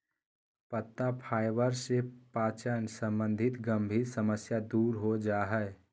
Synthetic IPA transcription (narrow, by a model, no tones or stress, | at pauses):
pət̪ːapʰaːɪʋəɾsepaːt͡ʃənsə̃mbə̃nd̪ʱɪt̪ɡə̃mbʱiɾsəməsjad̪uːɾɦod͡ʒaːɦɛ